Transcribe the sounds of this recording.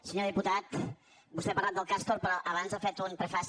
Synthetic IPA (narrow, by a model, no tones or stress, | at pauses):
səɲoðiput̪at̪ | bust̪ɛpɐɾlat̪d̪əlˠkast̪oɾpɾɔʔəβ̞anzafet̪unpɾɛfas